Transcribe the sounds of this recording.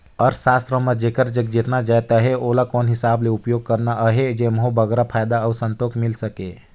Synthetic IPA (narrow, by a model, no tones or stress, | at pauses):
ɔɾsaːst̪ɾəməd͡ʒeːkəɾd͡ʒəɡd͡ʒɪt̪nad͡ʒaːjt̪aɦɛolakɔːnɦɪsaːbleʊpjoːɡ̚kəɾnaɦed͡ʒemɦobəɡɾapʰaːjd̪aəːsə̃nt̪oːkmɪlsəkeː